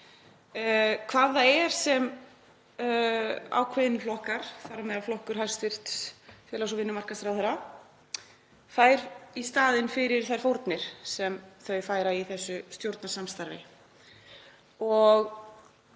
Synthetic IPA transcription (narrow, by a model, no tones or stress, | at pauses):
kʰvaːðaɛɾ̥sɛm | a̰wkʰvɪðnlɔhkaɾ̥θaɾamɛðaflɔhkʏɾhajɾst̪ɪr̥t̪sfjɛlasɔvɪnːʏmar̥kast̪ɾawθɛɾa | faːjɾ̥ist̪aːðɪnfɪɾɪɾ̥θaj̥fowɾt̪nɪɾ̥sɛmθœɥfaːjɾaiθɛsːʏst̪jowɾt̪nasamst̪aɾvɪ̰ | ɔɣ